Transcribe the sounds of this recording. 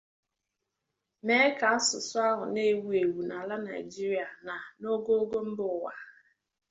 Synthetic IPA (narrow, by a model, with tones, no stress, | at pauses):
me˦ka˨a˦sʊ˨sʊ˦a˦ɦʊ˨ne˦˨wu˦e˨wu˨na˨la˦na˨i˨d͡ʒi˦ɾi˦a˨na˨no˦ɡo˦ɡo˦m̩˦bʊ˨wa̰˨